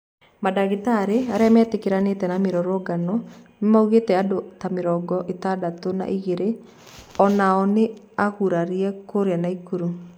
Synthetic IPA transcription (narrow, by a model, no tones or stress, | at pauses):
madaɣitaɾeaɾeamɛtekeɾanetɛnameɾɔɾɔɡanɔnmauɣetɛadotameɾɔɡɔʔetadatona̰ʔiɣeɾe | ɔnaɔne | aɣuɾaɾiɛkoɾeanaikuɾu